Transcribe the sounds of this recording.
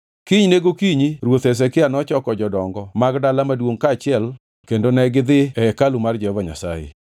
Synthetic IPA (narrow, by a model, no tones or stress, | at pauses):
kiɲneɡokiɲiɾwot̪ɛs̬ɛkɪanɔt͡ʃɔkɔd͡ʒɔdɔŋɡɔmaɡdalamadwoŋkat͡ʃɪɛl | kendonɛɡɪd̪ɪɛɛkalumard͡ʒɛhɔvaɲa̰sa̰jḛ